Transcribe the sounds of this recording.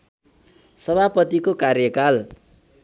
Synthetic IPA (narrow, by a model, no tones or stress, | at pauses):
sʌbʱapʌt̪ikokarjʌkal